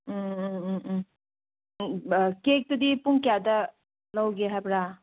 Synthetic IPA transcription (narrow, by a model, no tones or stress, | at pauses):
kek̚tudipuŋkijadɐ | lɐwɡeɦajbɾa